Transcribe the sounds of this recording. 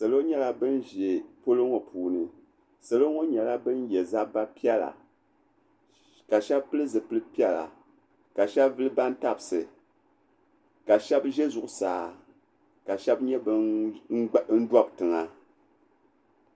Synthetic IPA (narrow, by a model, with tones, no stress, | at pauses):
sa˨lo˦ɲɛ˦la˦bɨ˦nʒe˨po˦lɨ˦ŋo˨pʰuː˨nɨ˨ | sa˨lo˦ŋo˦ɲɛ˨la˦bɨ˦njɛ˨za˦ba˦pi˦ɛ˦la̰˨ | ka˨ʃɛ˦bpɨ˦lɨ˦zɨ˨pɨ˦lɨ˦pi˦ɛ˦la̰˨ | ka˨ʃɛ˦bvɨ˦lɨ˦ba˦n˦ta˦bsɨ˨ | ka˨ʃɛ˦bʒɛ˦zʊ˨ʔʊ˨saː˨˦ | ka˨ʃɛ˦bɲɛ˦bɨ˦ | n̩˦dwa˦btɨ˨ŋa˨